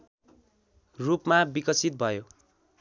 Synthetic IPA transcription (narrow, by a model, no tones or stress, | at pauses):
rupmabikʌsit̪̚bʱʌjo